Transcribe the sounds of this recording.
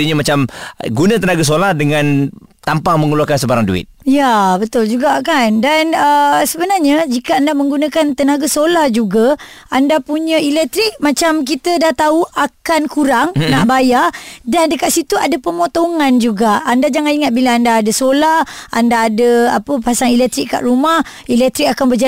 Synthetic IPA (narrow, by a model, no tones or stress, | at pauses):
iɲamat͡ʃamɡunãt̪ənaɡas̬olahdəŋãnt̪ampaməŋuluakansəbaɾaŋdṵɪ̰t̪̚jabət̪ʊld͡ʒuɡaʔkandanəsəbənarɲad͡ʒikaandaməŋɡunakant̪ənaɡasolahd͡ʒuɡa | andapuɲailɛk̚t̪ɾik̚mat͡ʃamk̬it̪ədaht̪auʔakankuɾaŋnaʔbajadandəkat̪ʔ̪sit̪uadapəmot̪oŋand͡ʒuɡaʔandad͡ʒaŋaniŋat̪̚bilaandaːdəsolaha̰ndaːdəa̰pəpasaŋilɛk̚t̪ɾikkːa̰ʔɾumah | ilɛk̚t̪ɾik̚akanbərd͡ʒa